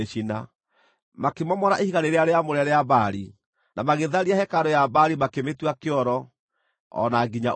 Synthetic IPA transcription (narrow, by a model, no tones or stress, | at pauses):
ʃina | makemɔmɔɾaʔehiɣaneɾeaɾeamoɾeaɾeabaɾi | namaɣeðaɾiahɛkaɾɔjabaɾimakemetwakeɔɾɔ | ɔ̰naɡiɲa